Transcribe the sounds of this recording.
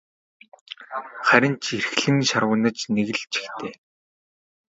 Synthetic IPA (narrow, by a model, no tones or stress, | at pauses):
χæɾʲɪ̆nt͡ɕʰerxɮɘ̆ŋʃarʁwə̆nə̆t͡ɕneɣɘ̆ɮt͡ɕʰi̥xt̪ʰeː